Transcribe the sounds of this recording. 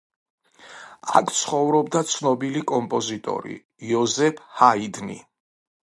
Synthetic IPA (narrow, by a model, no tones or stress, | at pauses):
a̰kʰt̪sʰχɔvɾɔbd̪at̪sʰnɔbilikʼɔmpʼɔzit̪ʼɔ̰ɾḭː | ɔzɛpʰhaid̪nḭ